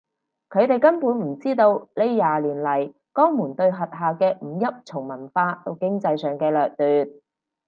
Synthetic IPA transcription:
kʰɵ˨˧ɥt̪e˨˩jkɐ˥npuː˨˥nm̩˨˩t͡siː˥t̪o˧wle˨˧jjaː˨liː˨˩nlɐ˨˩j | kɔː˥ŋmuː˨˩nt̪ɵ˧ɥɦɐ˨t̚ɦaː˨˩kɛː˧m̩˨˩jɐ˥p̚t͡sʰʊ˨˩ŋmɐ˨˩nfaː˧t̪o˨˧wkɪ˥ŋt͡sɐ˧jsœː˨˩ŋkɛː˧lœː˨k̚lyː˨t̪̚

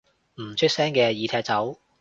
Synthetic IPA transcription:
m̩˨˩t͡ʃʰɵ˥t̚sɛː˥ŋkɛː˧jiː˨˧t̪ʰɛː˧˥k̚t͡sɐ˨˥w

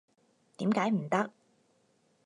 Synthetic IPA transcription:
t̪iː˨˥mkaː˨˥jm̩˨˩t̪ɐ˥k̚

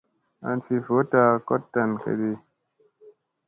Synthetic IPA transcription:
a̰˨nfi˨fo˦ta˦˨ko˦tːa˨nkʰḛ˨d̪i˦

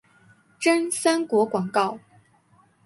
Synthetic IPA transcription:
ʈ͡ʂə˥nsa˥nkwɔ˧˥kwɑ˨˩ŋkɑ˥˩ʊ

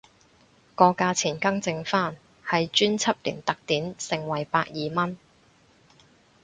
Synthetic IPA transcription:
kɔː˧kaː˧t͡sʰiː˨˩nkɐ˥ŋt͡sɪ˧ŋfaː˥n | hɐ˨jt͡ʃyː˥nt͡sʰɐ˥p̚lḭː˨˩nt̪ɐ˨k̚t̪iː˨˥nsɪ˨˩ŋwɐ˨˩jpaː˧k̚jiː˨mɐ˥n

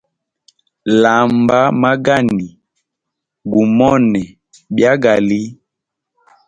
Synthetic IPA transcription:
la˨mba˦ma˦ɡa˦˨ni˨ | ɡu˨mɔ˦nɛ˨ | bja˦ɡa˨li˦

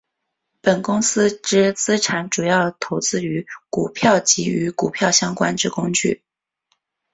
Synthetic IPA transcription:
pə˨˩nkʊ˥ŋsɹ̩˥ʈ͡ʂɻ̩˥t͡sɹ̩˥ʈ͡ʂʰa˧˥nʈ͡ʂu˨˩jɑ˥˩ʊd̪ə˩t̪ʰo˧˥ʊt͡sɹ̩˥y˧˥ku˨˩pʰjɑ˥˩ʊt͡ɕi˧˥y˧˥ku˨˩pʰjɑ˥˩ʊɕjɑ˥ŋkwa̰˥nʈ͡ʂɻ̩˥˩kʊ˥ŋt͡ɕy̰˥˩

